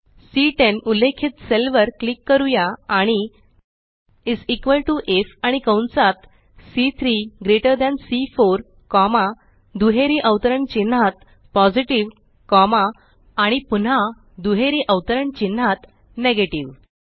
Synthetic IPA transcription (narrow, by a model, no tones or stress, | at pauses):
siʈenulekʰit̪selʋəɾklikːəɾujaaɽ̃i | id͡zikʋəlʈuʔefaɽ̃ikə̃wnsat̪ | sit̪ʰɾiɡɾeʈəɾd̪ãnsifoɾ | kɔma | d̪uɦeɾiʔəʋt̪əɾəɳt͡ɕin̤ːat̪̚ | pɔd͡ʑiʈiʋ | kɔmaː | ɽ̃ipuna | d̪uɦeɾiʔəwt̪əɾəɳt͡ɕin̤ːat̪ | neɡeʈiʋ